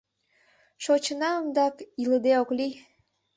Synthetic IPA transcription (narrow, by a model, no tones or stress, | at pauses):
ʃot͡ɕənɑəmd̪ɑkiləd̪eokli